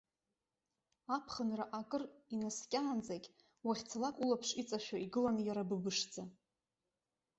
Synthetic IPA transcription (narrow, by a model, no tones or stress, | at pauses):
apʰχənraʔakʼɨrinaskʲʼaːnd͡zakʲ | waχʲt͡sʰalakʷʼulapʰʂit͡sʼaʃᶣaiɡɨlanjaɾabɨbɨʂd͡za